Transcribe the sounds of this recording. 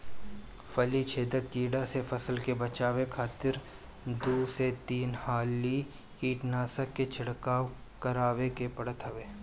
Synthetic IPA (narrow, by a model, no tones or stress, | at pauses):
fɐlit͡ʃʰeːd̪əkkiːɽasefɐsəlkebɐt͡ʃaːwekʰaːt̪ɪɾ | d̪uːset̪iːnhaːli | kiːʈnaːsəkːet͡ʃʰɪɽkaːwkɐɾaːwekepɐɽət̪ɦɐʋeː